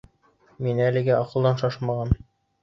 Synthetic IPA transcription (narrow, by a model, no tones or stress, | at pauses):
minɘælɘ̆ɡɘʔɑqɤ̆lˠd̪ɑnʃɑʃmɑʁɑn